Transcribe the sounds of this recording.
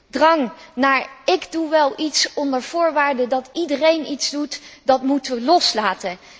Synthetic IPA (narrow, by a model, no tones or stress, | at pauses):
drɑŋnaːɹɪɡduʋɛlˠʔitsɔndəɹv̥ʊːɹʋaːɹdədɑtidərejnitzdutdɑtmutəʋəlɔslaːtən